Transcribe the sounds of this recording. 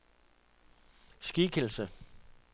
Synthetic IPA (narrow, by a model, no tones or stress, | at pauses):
sɡ̥iːkʰel̩sə